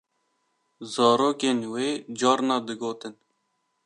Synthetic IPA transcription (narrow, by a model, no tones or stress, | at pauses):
zɑːɾoːkeːnweːd͡ʒɑːɾnɑːd̪ɨɡoːt̪ɨn